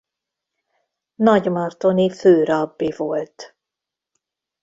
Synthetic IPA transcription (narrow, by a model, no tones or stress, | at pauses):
nɒɟmɒrt̪oniføːɾɒbːivolt̪